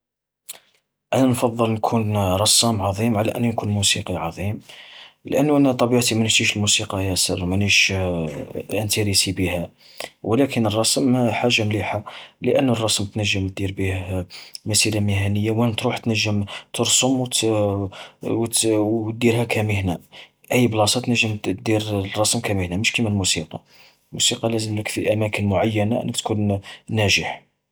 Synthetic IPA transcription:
ʔænænfɑd̪ˤːəlnkʰunɾˤɑsæmʕɑðˤimʕalæʔə̰nːunkunmusiqiʕɑðˤimlʔənːuʔænæt̪ˤɑbiʕt̪imænət̪iʃəlmusiqɑjæsə̰ɾˤmæniʃ | ʔənt̪iɾisibihæ | wlækənərˤːɑsəmħaʒːamliħaləʔənːərˤːɑsmt̪nəʒːəmt̪̚d̪iɾbihmæsiɾamɪhænəjːawənt̪ɾuħt̪nəʒːəmt̪ʰəɾsomw̪ | wt̪t̪̚d̪iɾhækʰæməhnæ | ʔəjːblɑsˤɑt̪nəʒːəmd̪iɾrˤːɑsmkæməhnæməʃkimælmusiqɑ | lmusiqɑlæzəmləkfiʔæmækənmʊʕajːænaʔə̰nːəkt̪kunnæʒəħ

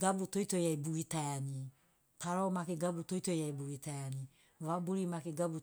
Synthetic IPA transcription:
ɡabutoitojaibuitaaɲi | taɾɔmakeɡabutoitojaibuitaaɲi | βabuɾimakeɡabu

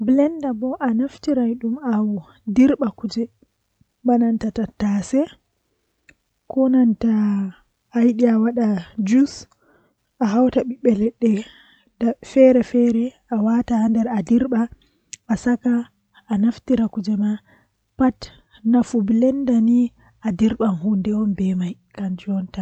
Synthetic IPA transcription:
blɛndabɔʔanaftiɾajɗumaw | diɾɓakud͡ʒɛ | banantatatasɛ | kɔnantaː | jɗiawaɗad͡ʒus | ʔaɦawtaɓiɓɛlɛɗːɛ | dafɛɾɛfɛɾɛ | awatahandɛɾadiɾɓa | asakaː | naftiɾakud͡ʒɛma | pat | nafubilɛndani | ʔadiɾɓanhundɛwɔnbɛmaj | kand͡ʒɔnta

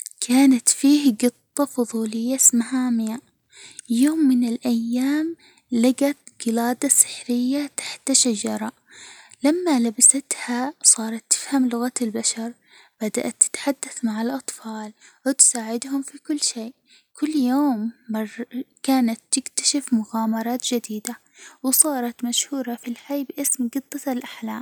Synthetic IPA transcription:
kʰaːnat̪fiːhɡɨt̪ˤːɑfʊðˤuːlɪjːasmaɦaːmɪja | joːmːɪnɪlʔajːaːm | laɡat̪ɡɪlaːd̪asɪ̥ħɾɪjːat̪ḁħt̪ʃad͡ʒɑɾˤɑ | lamːalabasat̪hasˤɑːɾˤɑt̪ːɪ̥fhamlʊɣaɪlbaʃɑɾˤ | b̥ad̪a̰ʔat̪ːɪ̥t̪ħad̪ːaθmaʕalʔɑt̪ˤfɑːlwɪt̪saːʕɪd̪hʊmfikʊlːʃeːʔ | kʊlːjoːmːɑrkaːnat̪ːɪkt̪ḁʃɪfmʊɣaːmɑɾˤɑːt̪d͡ʒɪd̪iːd̪a | wsˤɑːɾˤɑt̪maʃhuːɾˤɑfilħajːbʔɪsmɡɨt̪ˤːɑalʔaħlaːm

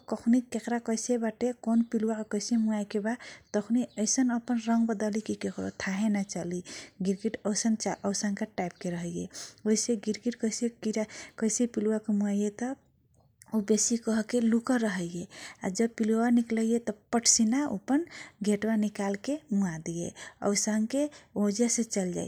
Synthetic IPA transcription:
kəkʰnikekɾakəjsebaʈekonpiluwakkəɪsemuajkebat̪əkʰniəɪsənəpənɾəŋɡbəd̪əlikikekɾo̰t̪ʰaɦenat͡ʃaliɡiɾɡiʈəwsənt͡ʃaʔəsənkaʈap̚keɾəɦəjeoɦiseɡiɾɡiʈkəjsekiɾakəjsepiluakemuajet̪ɔ | obesikəɦkelukəɾəɦəjea̰d͡ʒəb̚piluanikləjet̪ɔpəʈʰsinao̰pənɡʱeʈbanikalkemuad̪ijḛə̰wsaŋkeod͡ʒeset͡ʃəld͡ʒa̰j

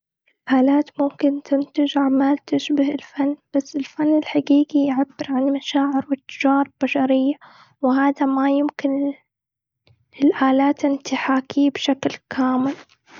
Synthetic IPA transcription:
ʔɪlʔaːlaːt̪mʊmkɪnt̪ɪnt̪ɪd͡ʒaʕmaːlt̪ɪʃbahɪlfanːb̥asːɪlfanːɪlħaɡiːɡijʕabːɪɾʕanmaʃaːʕɪɾwɪt̪ːɪ̥d͡ʒɑːɾˤb̥aʃɑɾɪjːa | wɪɦaːd̪amajɪmkɪn | ɪlʔaːlaːt̪ʔɪnt̪ɪħaːkiːbʃaklkʰaːmɪl

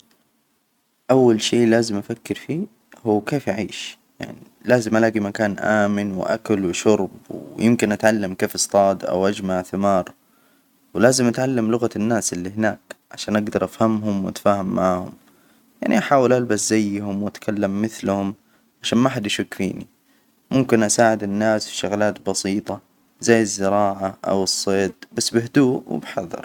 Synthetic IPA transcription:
ʔawːalʃeːʔlaːzɪmʔafakːɪɾfiː | huːkeːfjaʕḭːʃ | ja̰ʕni | laːzɪmʔalaːɡimakaːnʔaːmɪnwɪ̰ʔa̰kalwɪʃʊɾbwjɪmkɪnʔat̪ʕalːamkeːfɨsˤt̪ˤɑːd̪ʔa̰wʔad͡ʒmaʕθɪmɑːɾˤ | wɪlaːzɪmʔat̪ʕalːamlʊɣanːaːsɪlːihɪnaːkʕa̰ʃaːnʔaɡd̪ɑɾˤʔafhamɦʊmwat̪ḁfaːhamːaahʊ̰m | ja̰ʕniʔaħaːwɪlʔalbaszajːhʊmwat̪kʰalːamːɪθlhʊm | ʕaʃaːnmaħad̪jʃakfiːnḭ | mʊmkɪnʔasaːʕɪd̪ɪnːaːsfiʃaɣlaːt̪bɑsiːt̪ˤɑ | zajːɪzːɪɾɑːʕaʔa̰wɨsˤːeːd̪̚basːbɪhd̪uːʔwɪ̰bħɑðˤːɑ̰ɾˤ

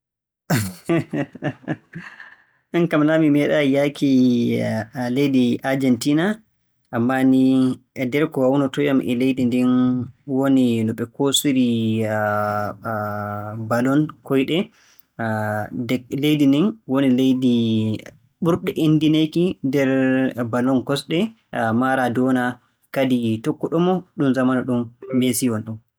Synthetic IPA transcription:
mɛnkamnamimɛɗajakʰi | lejdiʔaɾd͡ʒɛntina | ʔamːaniɛdɛɾkɔwawnɔtɔjamʔɛ̰lejdindinwoninɔɓɛkosiɾi | balɔnkɔjɗɛ | dɛlejdindinwonilejdi | ɓuɾɗɛʔendinejkidɛɾbalɔnkɔsɗɛ | maɾadɔna | kaditɔkːɔɗɔmɔɗumzamanaɗumbesiwɔnɗum

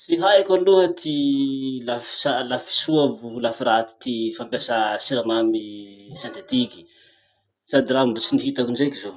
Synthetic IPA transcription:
siɦaakaluət̪ʰilafi̥salafi̥suavulafiɾat̪i̥t̪ifampjasasiɾamamisat̪et̪iki̥ | sad̪irambut͡siniɦit̪akunzekizo

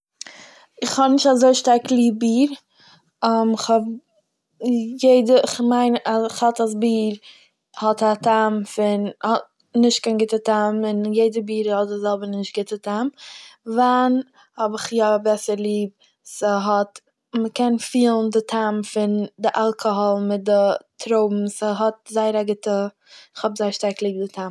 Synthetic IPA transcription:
ɪχhɔnɪʃtazoɪʃtaɾklˠiːb̚biːɾ | ɔmɪχhɔb | jeɪdəɪχmaɪnaɪχhɔtas̬biːɾ | hɔtatamfɪnhɔt̚ | nɪʃt̚kaɪnɡɪtətamɪnjeɪdəbiːɾhɔt̚dɪzɛlˠbəɾnɪʃt̚ɡɪtətʰamvan | hɔbɪχjɔbɛsəɾlˠiːb̚ | səɦɔt | məkɛnfiːlˠn̩dɪtʰamfɪndɪʔalˠkʰɔɦɔlˠmɪt̚dɪtʰɾoʊbm̩səɦɔt̚zaɪəɾaɡɪtə | ɪχhɔbzaɪʃtaɾklˠiːb̚dɪtʰam

